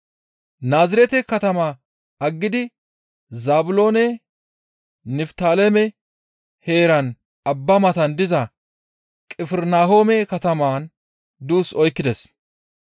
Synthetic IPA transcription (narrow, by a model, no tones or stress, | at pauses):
naːzɪɾɛt̪ɛkɐt̪ɐma | ɐɡːɪd̪ɪ | zaːbʊlo̞ːnɛ | nɪft̪aːlɛmɛ | he̞ːɾɐn | ɐbːɐmɐt̪ɐnd̪ɪzɐ | kʼɪfɛɾnaːho̞ːmɛkɐt̪ɐmaːn | d̪uːsɔjkːɪd̪ɛs